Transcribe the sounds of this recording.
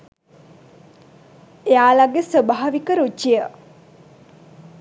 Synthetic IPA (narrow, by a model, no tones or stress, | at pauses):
eaːlaɡesəbaɦaʋikəɾud͡ʒijə